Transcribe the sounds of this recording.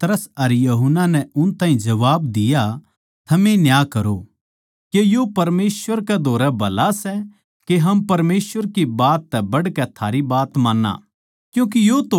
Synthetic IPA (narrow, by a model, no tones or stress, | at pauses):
t̪ɾəsɐɾjɐɦʊnːanɛʊnt̪ãːĩd͡ʒɐʋaːbd̪ɪja | t̪ʰɐmenjaːkɐɾo | kejopɐɾmeːsʋəɾkɛd̪ʱoːɾɛbɐlasɛ | keɦɐmpɐɾmeːsʋəɾkibaːt̪ːɛbɐɽkɛt̪ʰaːɾibaːt̪mãːnːa̰ː | kjũːk̬ijot̪o